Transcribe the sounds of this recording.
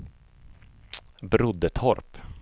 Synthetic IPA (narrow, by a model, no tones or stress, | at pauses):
bɾʊd̪ət̪ʰɔɾp